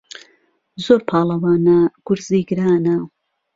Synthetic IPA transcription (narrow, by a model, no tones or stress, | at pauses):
zoːɾpʰɑːlˠɐwaːnɐɡ̥ʊɾziːɡɨɾaːnɐ